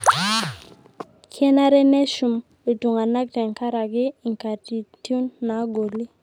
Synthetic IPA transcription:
kʰjɛ˦na˦ɾɛ˦nɛ˦ʃu˨m | e˨to˨ŋa˨na˦k̚tɛ˨ŋka˦ɾa˨ɡɪ˦i˨ŋka˨ti˨tju˦nːa˨˦ɡo˨li˦

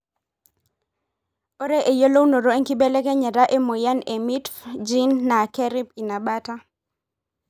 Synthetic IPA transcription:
o˦ɾɛ˦ʔe˨jo˦lo˦wno˨ɾo˦e˦ŋki˦bɛ˦lɛ˦kɛ˦ɲɛ˨ɾa˦ʔe˦mo˨ja˦ne˨mi˦tfd͡ʒi˦nːa˨kɛ˦ɾi˦pi˨na˨ɓa˦ta˦

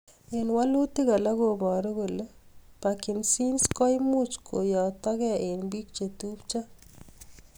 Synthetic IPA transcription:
e˨nwa˦lu˦t̪i˦ɡa˨la˦ɡo˨bɔ˨ɾɔ˦ɡo˨le˦pa˨kɪ˨nsi˦nskɔ˦jmu˦t͡ʃkʰo˨jɔ˨t̪ɔ˦ɡɛ˦e˨nbi˦k̚t͡ʃe˨t̪u˦pt͡ʃa˦

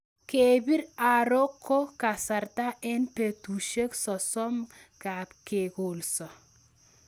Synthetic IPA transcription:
ke˨bi˦ɾa˨ɾo˦kʰːo˦ka˨sa˨ɾta˦ʔɛ˦npe˨tu˨ʃe˦ksɔ˨sɔ˦m | ka˨pke˨ko˨lsɔ˨

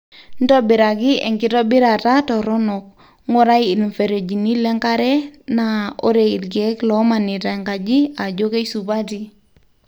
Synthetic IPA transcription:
n˦dɔ˦bɪ˨ɾa˨ɡɪ˦ɛ̰˨ŋkɪ˦tɔ˦bɪ˦ɾa˨ta˦tɔ˨ɾɔ˦nɔ˨k̚ | ŋo˦ɾa˦i˨lmfe˨ɾe˨d͡ʒi˨ni˦lɛ˦ŋka˦ɾɛ˦na˨o̰˦ɾe˨i˨dɡɛ˨˦klɔ˨˦ma˨ni˨ta˨ŋka˨d͡ʒi˦a˨d͡ʒo˦ke˦isu˨ba˦ti˦

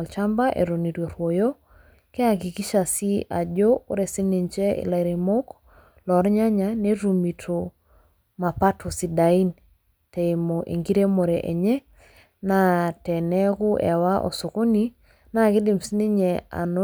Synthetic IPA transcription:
lt͡ʃa˦mba˦ʔḛ˨ɾo˨ni˨ɾjo˨ɾwo˨jo˦ | kɛ˦a˨ki˨ki˦ʃa˨si˦a˨d͡ʒo̰ː˦ɾɛ˨si˦ni˨ɲt͡ʃɛ˦ɪ̰˨la˨ɾi˨mo˦k | lɔ˨ɾɲa˦ɲa˨ne˦ɾu˨mi˨tʰo˨ | ma˨pa˦tʰo˨si˨da˨i˦n | tɛ˨i˨mo˨ʔḛ˨ŋɡi˦ɾe˦mo˨ɾɛ˨ʔɛ˨ɲɛ˦ | na˦tɛ˨nɛ˦kʊ˦ʔɛ̰˨wa˦ʔɔ̰˨so˨ko˦ni˦ | na˦˨kɪ˦dɪ˨msi˦nɪ˦ɲɛ˨a̰˨no˦

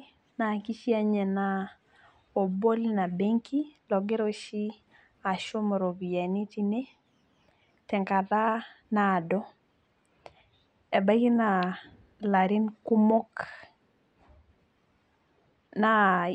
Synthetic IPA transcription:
na˨ki˦ʃi˦a˨ɲɛ˨na˦ | o˨bo˦lna˨be˦ŋkʰi˦lɔ˨ɡe˦ɾo˦ʃi˦ | a˨ʃo˦mɔ˨ɾo˨βi˨ja˨ni˦ti˦ne˦ | tɛ˨ŋka˨ða˦na˨dɔ˦ | e˨ba˦ɡi˦na˨ | la˨ɾɪ˦nku˦mo˦k | na˨

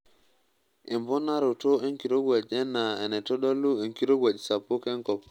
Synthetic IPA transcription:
e˨mbɔ˦na˦ɾo˨to˦e˦ŋki˨ɾo˦ɡwa˨d͡ʒɛ˦na˨ɛ˨ne˨to˦ɗo˦lːu˦e˨ŋki˦ɾo˦ɡʷwa˨d͡ʒsa˨pːo˦kɛ˦ŋkɔ˨p

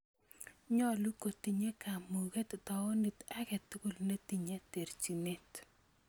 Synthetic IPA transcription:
ɲɔ˦lu˦ko˨ti˨ɲe˦ka˨mu˨ɣe˦t̪t̪ɔ˨ɔ˦ni˨ta˦kɛ˨t̪ko˨lne˦ti˨ɲe˦te˨ɾt͡ʃi˨ne˦t

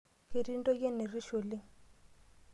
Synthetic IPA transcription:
ke˨ɾi˦ndʼɔ˦je˦ne˨ri˦ʃo˨li˦

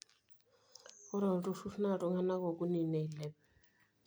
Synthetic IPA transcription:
ɔ˦ɾa˨tʼu˦ʂu˦ʂna˦˨ʈ͡ʂʼɔ˨˦ŋa˦na˦kɔ˨kʼu˦ni˨nɛ˨i˨lɛ˨p

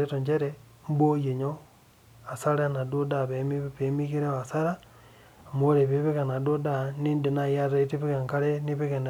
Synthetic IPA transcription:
eto˨ɲd͡ʒe˦ɾe | m˦bo˦je˨ɲo | a˨saɾe˦na˨du˦daβemiβemiɣi˦ɾe˦a˨sa˦ɾa˨ | mo˦ɾe˨βeβeɣa˨na˨do˦daniː˦ndi˨na˦ja˦ɾa˨iteβiɣe˨ŋka˦ɾeni˦βi˦ɣe˨n

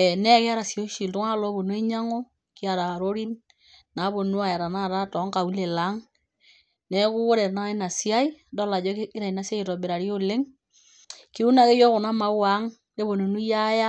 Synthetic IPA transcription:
ɛ˨nɛ˦ke˦a˦ɾa˨sjo˦ʃi˨lto˦ŋa˦˨lɔ˨˦bo˨nwe˦ɲa˦ŋo˦ | ki˦a˨ɾa˨ɾo˦ɾi˦n | na˨˦βo˨nu˦a˨ja˨ɾa˨na˦˨ta˦tɔ˨˦ŋka˨u˦le˨la˨˦ŋ | nɛ˦ku˦o˦ɾɛ˨na˦i˦na˨si˦a˦i˦dɔ˦la˨d͡ʒɔ˦i˦ɾa˨i˨na˨˦si˦a˦i˨tɔ˨be˨ɾa˨ɾi˦o˦le˦ŋ | ki˦u˦na˨ke˦jɔ˦kʊ˨na˦ma˦wa˨˦ŋ | ke˦bo˨no˨nu˦ja˦ja˦

